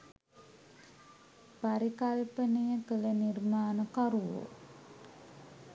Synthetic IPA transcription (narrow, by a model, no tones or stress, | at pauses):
baɾikalipənəjəkəlenirmaːnəkaɾuwo̰